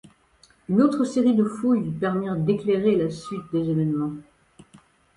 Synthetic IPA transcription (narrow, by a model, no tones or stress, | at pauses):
ynot̪χəseʁid̪əfujpɛʁmɛd̪ekleʁelasɥit̪̚d̪ezevɛnmɑ̃